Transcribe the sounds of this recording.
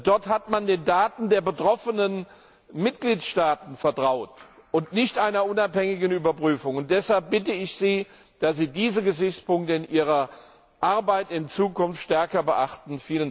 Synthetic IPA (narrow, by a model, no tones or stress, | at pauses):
d̥ɔɐthatmandeːndaːtn̩deːɐbətʁ̥ɔfənən | mɪtɡ̥liːtʃtaːtn̩fɛɐtʁ̥aʊt | ʊntnɪçtʔaɪnɐʔʊnaphɛŋɪɡn̩yːbɐpʁ̥yːfʊŋʊnt̚d̥ɛshalp̚b̥ɪtəɪçz̥iː | d̥asz̥iːdiːzəɡəzɪçt͡spʊŋk̚təɪnʔiːʁ̞ɐ | ʔaɐbaɪtɪnt͡suːkʊnftʃtɛɐkɐbəʔaχtn̩fiːlən